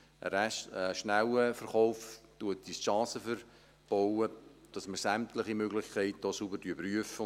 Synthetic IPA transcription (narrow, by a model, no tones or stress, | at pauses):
ə̰ɾɛtəʃnæwəfərχɔʊftuətisʃɑːsəfəɾ | b̥owəd̥ɑsməɾsæmtləχimøɡlɪχkʰɛɪt̚d̥ɔːsubəɾybryəfə